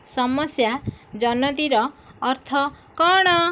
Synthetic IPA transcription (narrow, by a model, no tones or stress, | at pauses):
sɔmɔsjad͡ʒɔnɔd̪iɾɔːɾt̪ʰɔ | kɔɽ̃ɔ